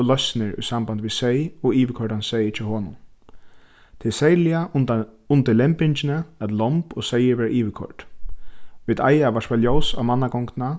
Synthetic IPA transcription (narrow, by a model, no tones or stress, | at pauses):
lœsnɪɹʊ̰jsamband̪ʋisejɔiːʋɪkʰɔɹʈansejɪt͡ʃʰɔhɔːnʊ̰n | t̪ʰɪsɛjljaʊnt̪ɪlɛmpɪɲt͡ʃɪnəat̪lɔmpɔsejɪɾʋɛːɾʔiːʋɪkʰɔ̰ɹʈ | ʋid̪ajaʋaʂvaljowsa̰manːaɡɔŋkna